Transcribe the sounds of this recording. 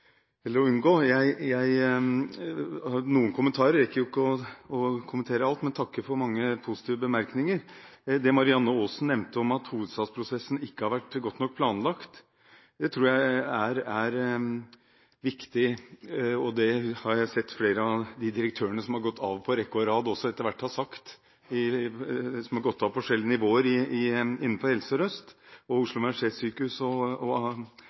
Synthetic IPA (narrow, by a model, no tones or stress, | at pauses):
ɛlːəɾɔʉnɡoːjæɪjæɪ | nuːənkʰʊmːənt̪ʰɑːɾəɾɛkːəɾjʊɪkːəɔɔkʰʊmənt̪ʰeːɾəɑlt̪mɛnt̪ʰɑkːəfɔɾmɑŋːəpʰʊsɪ̥t̪ʰiːʋəbəmæɾknɪŋəɾd̪ɛmɑɾɪɑnːəoːsn̩nːɛmnt̪əɔmɑt̪huːʋəd̪st̪ɑːd̪spʰɾʊsɛsːn̩ɪkːəhɑɾʋæʈːɡɔt̪ːnɔk̚ːpʰlɑːnlɑkt̪ | d̪ɛt̪ʰɾuːɾjæɪæɾæɾ | ʋɪkt̪ɪ | ɔd̪ɛhɑɾjæɪsɛt̪ːfleːɾəɑd̪ɪd̪ɪɾək̚t̪ʰøːɾəɳəsɔmhɑɾɡɔt̪ʰːɑːʋpʰɔɾɛkːʊəɾɑːd̪ɔsːɔɛt̪ːəɾʋæʈːhɑsɑkt̪ | ɪ | sɔmhɑɾɡɔt̪ːɑːʋpɔʂɛljənɪʋoːəɾɪɪɪnːn̩fɔɾhɛlsəɾœst̪ɔʊʂlʊmʂesyːkəhʉsɔɔ